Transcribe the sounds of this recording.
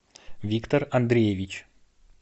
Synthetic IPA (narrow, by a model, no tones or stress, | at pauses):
vʲikt̪ərɐnd̪ɾʲejevʲit͡ɕ